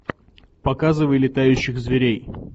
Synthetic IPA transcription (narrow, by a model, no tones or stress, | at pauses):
pɐkazɨvəjlʲɪt̪ajʉɕːɪxzvʲɪɾʲej